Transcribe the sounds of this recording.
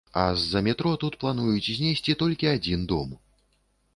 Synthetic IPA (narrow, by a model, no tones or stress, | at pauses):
ɐ̰zːɐmʲɛt̪ɾɔt̪ut̪plˠan̪ujut͡sʲzʲnʲesʲt͡sʲit̪ɔlʲkʲiad͡zʲind̪ɔm